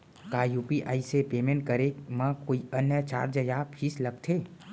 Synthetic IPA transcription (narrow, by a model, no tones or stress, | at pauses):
kajupiʔa̰isepemẽɳʈ̚kəɾemãkoːiənjət͡ʃa̰ːɾd͡ʒəjapʰisləɡ̚t̪ʰe